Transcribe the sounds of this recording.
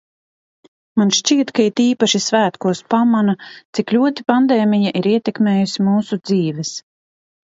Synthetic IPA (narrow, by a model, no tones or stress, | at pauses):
manʃt͡ʃiɛt̪kait̪iːpaʃisvæːt̪kuɔspamanat̪siklʲuɔt̪ipand̪eːmijaʔiɾiɛt̪ɛkmeːjusimuːsud̪ziːvɛs